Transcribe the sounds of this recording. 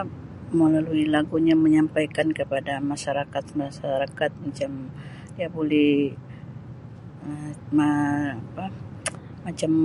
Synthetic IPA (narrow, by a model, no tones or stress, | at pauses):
məlaluilaɡuɲaməɲampajkankəpadamaʃaɾakat̪̚masaɾakat̪̚mat͡ʃam | diabolɛh | əmaapa | mat͡ʃam